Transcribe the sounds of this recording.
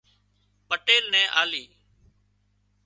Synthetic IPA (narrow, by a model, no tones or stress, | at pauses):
pəʈeːlnɛ̃ːʔaːliː